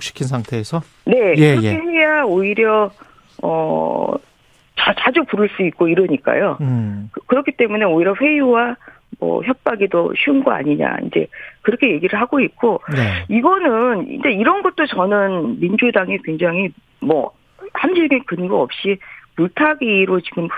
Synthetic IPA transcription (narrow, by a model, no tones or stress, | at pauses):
k̚ɕ͈i̥kʰinsʰaŋtʰe̞ːsʰʌ | ne̞jɯɾʌkʰeejaoiɾjʌ | ʌ | t͡ɕat͡ɕad͡ʑupuɾɯɭs͈uik̚k͈oiɾɯɲik͈a̰jokɯkɯɾʌkʰit͈e̞mune̞oiɾjʌɸwe̞juwa | mʌ̰çjʌp̚p͈aɡidoɕʰiunɡʌa̰ɲiɲa̰ḭnd͡ʑe̞̰kɯɾʌkʰe̞je̞ɡiɾɯɭɦaɡoit̚k͈oiɡʌnɯnḭnd͡ʑe̞iɾʌnɡʌt̚t͈ot͡ɕʌnɯnmind͡ʑudaŋekwe̞ŋd͡ʑaŋɦi | mʌ̰ | hamɕʰiɭɡekɯnɡuʌp̚ɕ͈ipuɭtʰaɡiɾot͡ɕiɡɯm